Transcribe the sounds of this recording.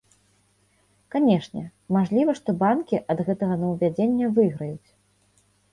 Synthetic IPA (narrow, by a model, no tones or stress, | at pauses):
kanʲɛʂnʲɛ̰maʐlʲivɐʂt̪ɔbankʲiʔɐd̪ɣɛt̪ɐɣɐnɐwvʲad͡zʲenʲːɐvɨɣɾɐjut͡sʲ